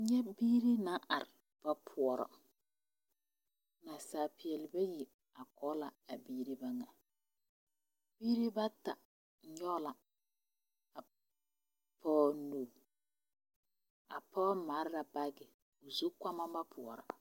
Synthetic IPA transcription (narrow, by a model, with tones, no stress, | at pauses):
ɲɛ˦biː˦ɾi˦na˦ʔa˨ɾɪ˨ | b̥a˦pʰʊ˨ɔ˨ɾɔ̰˨ | na˨saː˨pɪ˨ɛ˨lɪ˨ba˦ji˨ | a˨kɔː˦la˨a˨biː˦ɾi˦ba˦ŋa˨ | b̥iː˦ɾi˦ba˦ta˨ | ɲɔː˦la˨ | a˨ | pʰɔː˦no˨ | a̰˨pɔː˦ma˨˦ɾɾa˨ba˦ɡɪ˨ | o˨zu˦kʷa˦ma˦ba˦pʰʊ˨ɔ̰˨ɾɔ̰˨